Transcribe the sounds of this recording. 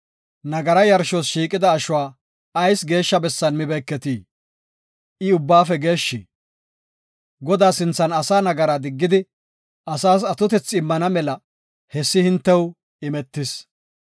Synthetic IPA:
nɐɡɐɾɐjɐɾʃosʃiːkʼɪd̪ɐːʃʊwaː | ɐjsɡe̞ːʃːɐbɛsːɐnmɪbɛkːɛt̪iː | ɪʊbːaːfɛɡe̞ːʃːi | ɡɔd̪aːsɪnt͡sːɐnɐsaːnɐɡɐɾad̪ɪɡːɪd̪ɪ | ʔɐsaːsɐt̪ʊt̪ɛt͡sːɪmːɐnɐmɛlɐ | hɛsːɪhɪnt̪ːɛw | ɪmɛt̪ːɪs

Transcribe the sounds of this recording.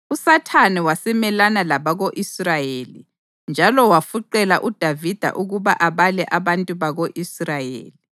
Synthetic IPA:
usatʰanɛwasɛmɛlanalaβaɣoʔisrajeːli | nd͡ʒʱalɔwafuǃɛlaʔud̥ʱavid̥ʱa̰ʔuɣuβa̰ʔaβalɛʔaβantʼuβaɣoʔisrajḛːli

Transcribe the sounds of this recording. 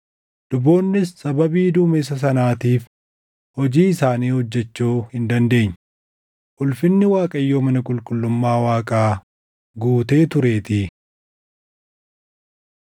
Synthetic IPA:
d̪̥ʊbo̞ːnːɪsːɐbɐbiːd̪uːmes̬ɐs̬ɐnaːt̪iːf | hɔd͡ʒiːɪsaːniːhɔd͡ʒːɛt͡ʃːoːhɪnd̪ɐnd̪e̞ːɲː | ʔʊlfɪnːɪwaːkʼɐjːo̞ːmɐnɐkʼʊlkʼʊlːʊmːaːwaːkʼaː | ɡuːt̪e̞ːt̪ʊɾe̞ːt̪ɪ

